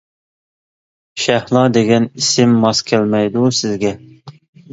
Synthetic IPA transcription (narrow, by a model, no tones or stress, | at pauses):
ʃæhlˠɑd̪eɡʲɛnisɪmːɑskʲʰælmɛjd̪usɪzɡʲɛ